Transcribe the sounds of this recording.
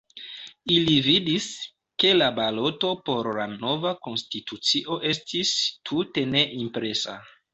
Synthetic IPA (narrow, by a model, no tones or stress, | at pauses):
ilividis | ke̞labalo̞to̞po̞ɾlano̞vako̞nstitut͡siʔo̞ʔe̞stʰistʰute̞ne̞ʔimpɾe̞sa̰